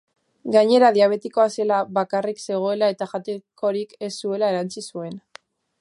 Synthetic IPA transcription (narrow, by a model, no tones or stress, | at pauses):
ɡaɲe̞ɾaðiaβ̞e̞t̪iko̞aselaβakarikse̞ɣ̞o̞e̞lae̞t̪aʝat̪eko̞ɾike̞sːue̞lae̞ɾant͡sisue̞n